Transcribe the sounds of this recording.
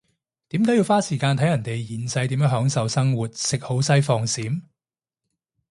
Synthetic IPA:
t̪iː˨˥mkaː˨˥ji˧wfaː˥siː˨˩kaː˧nt̪ʰjɐ˨˩nt̪e˨jjiː˨˩nsɐ˧jt̪iː˨˥mjːŋɦœː˨˥ŋsɐ˨wsɐ˥ŋwuː˨˩t̚sɪ˨k̚ho˨˥wsɐ˥jfɔː˧ŋsiː˨˥m

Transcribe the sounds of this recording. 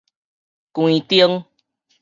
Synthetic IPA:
kwũ˧˨ĩ˨˧t̪ji˧ə˦˧ŋ

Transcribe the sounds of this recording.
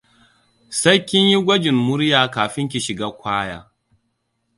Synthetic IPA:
sɐ˦jkʲɪ˦ɲji˦ɡʷɐ˦d͡ʒɪ˨mːʊ˦ɾjaː˨kaː˨ɸɪ˦ŋk̬ʲi˨ʃɪ˨ɡaː˦kʷaː˦ja̰ː˦

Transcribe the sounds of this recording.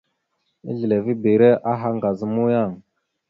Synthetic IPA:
ḭ˦ɮi˨le˨vi˦bi˨ɾe˦ʔa˦ɦa˦ŋɡa˨zə˦mu˦ja˦˨ŋ

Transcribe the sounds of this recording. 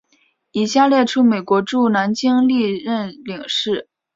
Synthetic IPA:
i˨˩ɕja˥˧ljɛ˥˧ʈ͡ʂʰu˥me˨˩ɪkwɔ˧˥ʈ͡ʂu˥˩na˧˥nt͡ɕi˥ŋli˥˧ɻə˥˩nli˨˩˦ŋʂɻ̩˥˩

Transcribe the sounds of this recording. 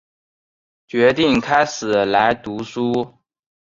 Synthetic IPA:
t͡ɕɥɛ˧˥t̪i˥˩ŋkʰa˥ɪʂɻ̩˨˩la˧˥ɪt̪u˧˥su˥

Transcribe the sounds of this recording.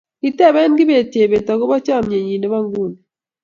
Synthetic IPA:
i˦te˦˨βe˦ŋɡi˦βe˨tje˨βe˨ta˨ɣo˦βa˦t͡ʃa˦˨mɲe˨ɲi˨ne˦βa˦ŋɡu˦ni

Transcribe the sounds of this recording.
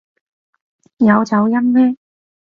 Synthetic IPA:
jɐ˨˧wt͡sɐ˨˧wjɐ˥mmɛː˥

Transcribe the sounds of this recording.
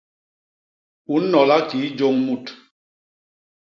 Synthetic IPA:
u˨˦n̩ː˦ɔ˨la˦ki˨˦d͡ʒo˦ŋmu˦˨t

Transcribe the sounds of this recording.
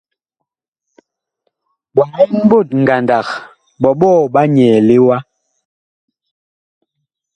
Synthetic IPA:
ɓɔ˨ŋɔ˦m̩˦bo˦˨t̚ŋ̩˨ɡa˨nda˨k | ɓɔ˨ɓɔː˦˨ɓa˦ɲɛ˨le˦wa˦

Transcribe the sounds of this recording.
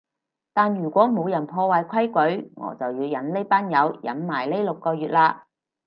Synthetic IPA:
t̪aː˨njyː˨˩kʷɔː˨˥mo˨˧wjɐ˨˩npʰɔː˧waː˨jkʷʰɐ˥jkɵ˨˥ɥŋɔ̰ː˨˥t͡sɐ˨wjiː˨˧wjɐ˨˥nle˥jpaː˥njɐ˨˧wjɐ̰˨˥nmaː˨˩jle˥jlʊ˨kːɔː˧jɥyː˨t̚laː˧

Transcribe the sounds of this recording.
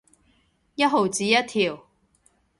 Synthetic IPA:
jɐ˥t̚ɦo˨wt͡siː˨˧jɐ˥t̚t̪ʰiː˨˩w

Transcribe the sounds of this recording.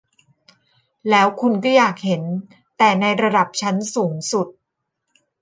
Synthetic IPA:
lɛː˦˥wkʰu˧nkɔː˥˩jaː˨˩k̚he˩˦n | t̪ɛː˨˩na˧jɾa˧da˨˩p̚t͡ɕʰa˦˥nsuː˩˦ŋsu˨˩t̪̚

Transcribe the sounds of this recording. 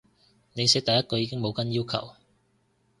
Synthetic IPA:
ne˨˧jsɛː˥k̚t̪ɐ˨˧jːɐ˥t̚kɔ˧jiː˧kɪ˥ŋmo˨˧wkɐ˨˥njiː˥wkʰɐ̰˨˩w

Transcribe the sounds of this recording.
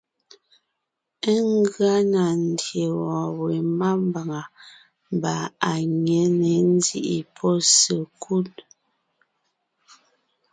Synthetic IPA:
ə˦ŋ˦ɡɰa˦na˨n̩˨dje˨ɣɔ̃˨we˨ma˦m˦ba˨ŋa˨ | m˨ba˨a˨ɲe˨˦ne˨n̩˦di˦ʔi˨pʰɔ˦sə˨kʰu˦t

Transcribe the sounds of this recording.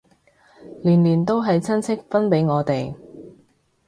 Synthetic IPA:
liː˨˩nliː˨˩nt̪o˥wɦɐ˨jt͡sʰɐ˥nt͡sʰɪ˥k̚fɐ˥npe˨˥jŋɔː˨˧t̪e˨j

